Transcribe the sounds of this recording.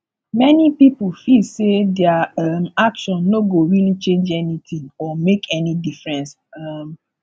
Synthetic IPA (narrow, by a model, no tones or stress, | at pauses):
mɛnipipofilsedɛaamakʃɔ̃nːoɡoɹilit͡ʃẽnd͡ʒɛnit̪ĩŋɔmekʰɛnidifɹɛ̃ns | am